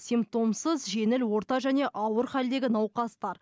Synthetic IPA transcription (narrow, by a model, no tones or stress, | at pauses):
sʲimpt̪o̞msəzʒe̞nɪlwo̞ɾt̪ɑʒæne̞ʔɑwəɾχæld̪e̞ɡʲɪnɑwqɑst̪ɑɾ